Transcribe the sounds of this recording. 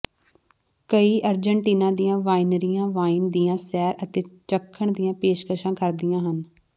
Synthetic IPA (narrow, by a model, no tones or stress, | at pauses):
kəiːʔəɾd͡ʒəɳʈiːnãːd̪iːjãːʋaːinɾijãːʋaːiːnd̪iːãːsɛːɾət̪eːt͡ʃəkʰːəɳd̪ijãːpeːʃkəʃãːkəɾd̪ijãːɦən